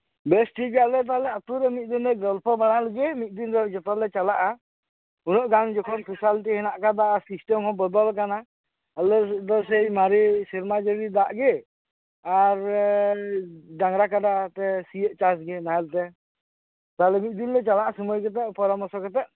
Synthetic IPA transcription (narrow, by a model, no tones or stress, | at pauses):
bɛsʈiɡɛalɛt̪̬alɛat̪uɾɛmit̪̚ˀd̪inlɛɡɔlpʰɔbaɽ̃aləɡɛmit̪̚ˀd̪inɾɔd͡ʒɔt̪ɔlɛt͡ʃalaʔa | unɔʔɡaŋd͡ʒɔkʰɔnpʰisalt̪ihɛnaʔkad̪aʔasisʈɛmhɔ̃bɔd̪ɔlk̬ana | alɔd̪ɔsɛjmaɾisiɾmad͡ʒəɾid̪aʔɡɛ | aɾ | daŋɾakad̪at̪ɛsiəʔ̚t͡ʃasɡɛnaɦɛlt̪ɛ | t̪aɦlɛmit̪̚ˀd̪inlɛt͡ʃalaʔasumɔjkɛt̪̬aʔpɔɾɔmɔɾsɔkɛt̪aʔ̚